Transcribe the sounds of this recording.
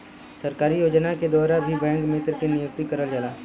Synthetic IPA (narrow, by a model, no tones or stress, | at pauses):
səɾkaːɾijoːd͡ʒnaked̪ɔːɾabʱibɛ̃ːŋkmɪt̪ɾkenɪjʊk̚t̪ikəɾəld͡ʒaːlaː